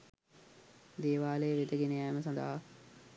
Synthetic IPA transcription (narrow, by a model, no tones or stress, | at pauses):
d̪eːʋaːlejːʋed̪əɡenəæːməsɐ̃nd̪a̰ɦa